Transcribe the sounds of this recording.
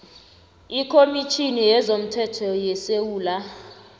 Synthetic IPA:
ikʰomit͡ʃʰinijɛzom̩tʰɛtʰɔjɛsewuːla

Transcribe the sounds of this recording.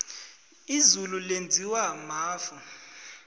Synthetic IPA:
izululend͡zʱiwamaːfu

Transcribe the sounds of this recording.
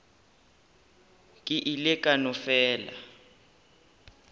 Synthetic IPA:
kʼiʔilɛkʼanɔfɛːla̰

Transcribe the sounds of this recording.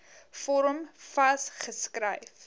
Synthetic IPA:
fɔɾəmfɐsχəskrə̰jf

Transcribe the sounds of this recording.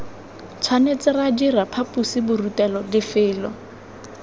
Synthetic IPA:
t͡sʰwanet͡sɪrad͡ʒirapʰapʼusɪbʊrutɛlɔdɪfɪːlɔ

